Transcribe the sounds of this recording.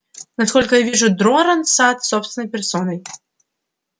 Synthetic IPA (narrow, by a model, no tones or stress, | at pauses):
naskɔlʲkɐjavʲiʐud̪ɾɔɾɐnsat̪sɔpst̪vʲnɐjpʲɛrsɔnɐj